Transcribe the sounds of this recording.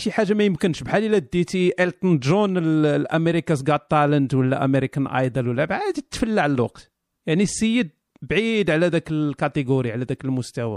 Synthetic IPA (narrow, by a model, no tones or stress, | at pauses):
ʃiħaʒːamæjəmkənʃbħalilæd̪it̪iʔælt̪ˤnd̪ʒunəllʔæmeɾikas̬ɡɑt̪ːɑlənd̪wəlːæ̰ʔæ̰meɾikənʔɑ̰jd̪ɑlwəlːæbʕad̪t̪ːfəlːaʕləlwɑ̰qt̪ | jaʕnisəjːəd̪̚ | bʕid̪ʕlæd̪ækəlkæt̪ˤəɡuɾiʕlæd̪ækəlmʊst̪æwæ̰